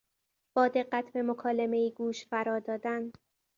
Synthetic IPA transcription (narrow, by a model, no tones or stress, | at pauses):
b̥ɒːd̪e̞ɢːæt̪ʰbe̞mokʰɒːleme̞iːɡuːʃfæɾɒːd̪ɒːd̪æn